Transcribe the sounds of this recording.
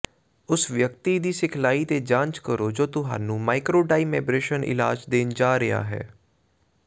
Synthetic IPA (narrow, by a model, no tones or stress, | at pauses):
ʊsʋjək̚t̪iːd̪iːsɪkʰlaːiːt̪eːd͡ʒãːnt͡ʃkəɾoːd͡ʒoːt̪ʊɦa̰ːnũːmaːikɾoːɖaːiːmɛːbɾeːʃənʔɪ̰la̰ːd͡ʒd̪eːnd͡ʒaːɾɪja̰ːɦɛ̰ː